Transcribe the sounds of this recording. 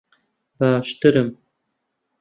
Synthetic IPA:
baːʃt̪ɨɾɨm

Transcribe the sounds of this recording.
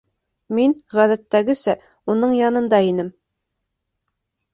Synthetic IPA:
minʁæðæt̪ːæɡɘ̆sæ | unɤɴjɑnɤ̆nd̪ɑinɘm

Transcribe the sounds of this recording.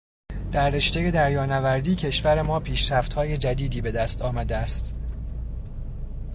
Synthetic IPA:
d̪̥æɾːe̞ʃt̪eje̞d̪æɾjɒːnævæɾd̪iːcʰe̞ʃvæɾe̞mɒːpʰiːʃɾæft̪hɒːje̞d͡ʒæd̪iːd̪iːbe̞d̪æst̪ʰɒːmæd̪eæst̪

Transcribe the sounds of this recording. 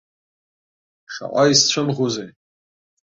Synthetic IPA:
ʈ͡ʂʰa̰ʔʷʼaist͡ɕʷʰʊnʁuzej

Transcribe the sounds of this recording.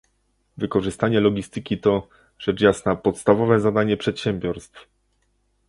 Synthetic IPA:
vɘkɔʐɘst̪aɲɛlɔɡʲist̪ɘkʲit̪ɔ | ʐ̥ɛt͡ʂjasnapɔt̪st̪avɔvɛzad̪aɲɛpʂɛt̪ɕɛmbʲjɔɾst̪f

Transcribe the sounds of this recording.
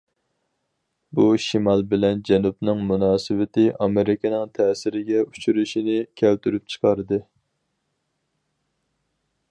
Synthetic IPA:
buʃimɑlˠbɪlɛnd͡ʒɛnupnɨŋmunɑːsɨwɪt̪ɪʔɑmɪɾɪkʲɪnɨŋt̪ʰɛːsɪɾɪɡʲɛu̥t͡ʃʰuɾuʃinɪkʲʰɛlt̪yɾyp̚t͡ʃʰə̥qʰɑɾɨd̪ɨ

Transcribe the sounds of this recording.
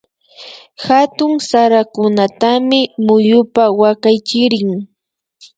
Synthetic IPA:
xat̪ʊŋsaɾakʊnat̪amɪmʊjʊpawakajt͡ʃɪɾɪŋ

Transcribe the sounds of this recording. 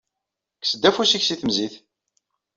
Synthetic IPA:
ksəd̪ːæfusiçsiθəmziθ

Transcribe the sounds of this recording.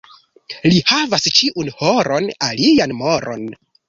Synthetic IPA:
lihavast͡ʃiʔunhoɾo̞nalianmoɾʔo̰n

